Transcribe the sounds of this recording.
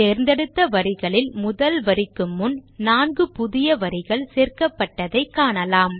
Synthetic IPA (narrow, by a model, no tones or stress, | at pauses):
t̪eːɾnd̪ɛɽɯt̪ːɐʋɐɾɪɣɐɭɪlmʊðɐlʋɐɾɪkːɯmːʊnnaːnɡɯpʊðɪjɐʋɐɾɪɣɐɭseːrkɐpːɐʈːɐðɐɪkːaːɳɐlaːm